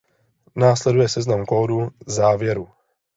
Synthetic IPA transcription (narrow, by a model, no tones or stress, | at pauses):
naːslɛdujɛsɛznamkoːduzaːvjɛɾu